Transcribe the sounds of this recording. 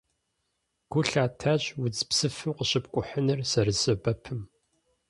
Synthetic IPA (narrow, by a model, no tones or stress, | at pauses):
ɡ̥ʷʊɬaːtʰaːɕʼwʊd͡zpsɨfɨmqəɕʼɪp̚kʷʼʊħənɨrsɐrɨzɐbɐpʰɨm